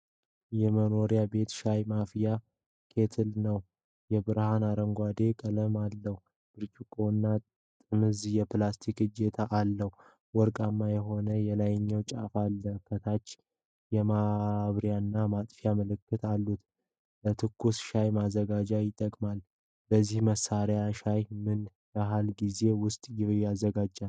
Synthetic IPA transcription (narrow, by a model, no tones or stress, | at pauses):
jɛməno̞ɾijabe̞t̪ʃajmafija | kʰe̞t̪ʰɨlnəw | jɛbɨɾhanaɾəŋɡʷad̪e̞kʼələmalːəhu | b̥ɨɾt͡ʃʼukʼːonːa | t̪ʼɨmɨzijɛplast̪ʰikɨd͡ʒet̪ʰaʔːlːəhu | wɔɾkʼamːajɛɦo̞nəjɛlajɲːəwt͡ʃʼa̰falːəfʰət̪ʰat͡ʃː | jɛmaβɾjanːamat̪ʼfjaməlɨkːɨt̪ʰalːut̪ | bət̪ʰɨkʰːusʃajmazːəɡad͡ʒajɪt̪ʼːəkʼmal | bəzːihməsaɾjaʃajmɨn | baɦalɡize̞wʊst̪ʼjjazːəɡad͡ʒːal